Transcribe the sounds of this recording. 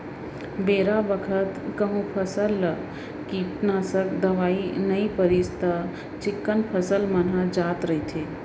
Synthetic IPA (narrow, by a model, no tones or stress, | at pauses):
beːɾabəkʰət̪kəɦũpʰəsəl | kipnaːsəkd̪ɐʋaːinɐipəɾiːst̪a | t͡ʃɪkːənpʰəsəlmənad͡ʒaːt̪ɾɐɦit̪ʰeː